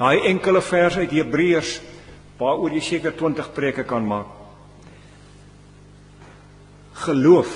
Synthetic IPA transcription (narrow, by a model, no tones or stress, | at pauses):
d̥ɑjʔɛŋkələfærsœɥtɦiəbriərs | vɑːuərjəjsiːəkərtwəntəχpriəkəkɐnmɑːk̚ | χəluəf